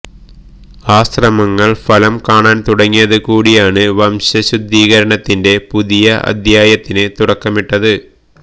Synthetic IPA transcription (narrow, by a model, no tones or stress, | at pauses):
aːɕrɐmɐŋːɐɭfɐlɐmkaːɳaːnt̪uɽɐŋːijɐðɨkuːɽijaːɳɨʋɐmɕɐɕud̪ʱːiːɣɐɾɐɳɐt̪ːinde̞puðijɐʔɐ̰d̪ʱjaːjɐt̪ːinet̪uɽɐkːɐmiʈːɐðɨ